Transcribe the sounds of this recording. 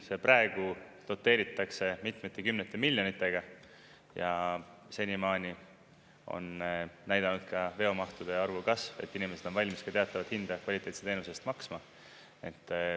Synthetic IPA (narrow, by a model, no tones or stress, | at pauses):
se̞prɑeɡ̥u | lo̞t̪ːˑe̞ːɾit̪ːˑɑkse̞mit̪met̪ːˑekymnet̪ːˑe̞milʲjo̞nit̪ːˑe̞ɡ̥ɑ | jɑse̞nʲimɑːnʲi | o̞̰nnæjd̪̥ɑnud̪̥̚kɑve̞o̞mɑht̪ud̪̥e̞ɑrvukɑsve̞̰t̪ːˑinimese̞d̪̥o̞nvɑlʲmiskɑt̪e̞ɑt̪ːˑɑvɑt̪hind̪̥ɑkvɑlʲit̪ːˑe̞t̪set̪e̞ːnusest̪mɑksmɑ | e̞t̪ːˑ